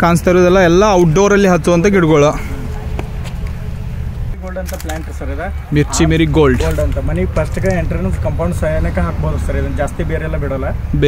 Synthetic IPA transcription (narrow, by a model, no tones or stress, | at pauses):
kaːnst̪ɐɾuːd̪ɛlːɐɛlːɐːwʈ̚ɖoːɾɐlːiɦɐt̪ːuɐnt̪ɐɡiɽɡoɭɐ | ɡoːlɖɐnt̪ɐplaːɳʈsɐɾid̪emiɾt͡ʃimiɾiɡoːɭɖlɖɐnt̪ɐmɐnipɐsʈɐkɐeɳʈɐɾɐnɐmskɐmpɐw̃ɳɖsɐjɐɾnɐkːɐɦaːkbɐːd̪usɐɾid̪ɐnd͡ʒaːst̪ibeːɾeɛlːɐbiɽɐlːɐb